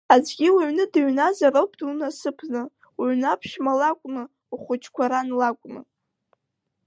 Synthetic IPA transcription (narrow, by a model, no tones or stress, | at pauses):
ad͡ʒɡʲiwaɥnɨdaɥnazaɾowpʰʼdunasɨpʰnɨ | wɥnapʰʃmalakʷʼnɨ | uχʷʊt͡ʃʰʼkʷaɾanlakʷʼmɨ̰